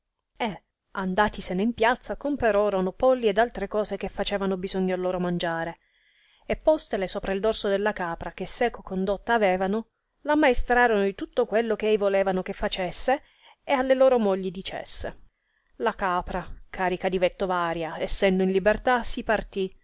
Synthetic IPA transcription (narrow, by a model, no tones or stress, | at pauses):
e | and̪aːt̪iseneimpjat̪sːakompeɾɔːɾonopɔlːied̪alt̪ɾekɔːzek̟efːat͡ʃɛːvanobizoɲːoalːoːɾomand͡ʒaːɾe | epːɔst̪elesoːpɾaild̪orsod̪elːakaːpɾakesːɛːkokond̪ot̪ːaːvɛːvano | lamːaest̪ɾaːɾonod̪it̪ut̪ːokwelːokeɛjvolɛːvanok̟efːat͡ʃesːeː | alːeloːɾomoʎːid̪it͡ʃḛsːe | lakaːpɾakʰaːɾikad̪ivet̪ːovaːɾjaɛsːɛnd̪oinlibert̪asipart̪i